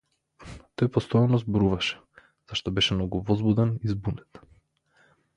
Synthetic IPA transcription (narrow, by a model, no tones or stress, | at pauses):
t̪ɔjpɔst̪ɔjanɔzbɔɾuvaʃɛ̥ | z̥aʃt̪ɔbɛʃɛmnɔɡuvɔzbud̪ɛnizbunɛt̪